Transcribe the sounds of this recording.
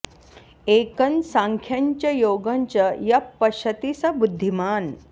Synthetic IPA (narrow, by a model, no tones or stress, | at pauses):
eːkɐnsaŋkʰjaɲt͡ɕɐjoːɡɐɲt͡ɕɐjɐpːɐɕɐt̪isɐbud̪ʱːimaːn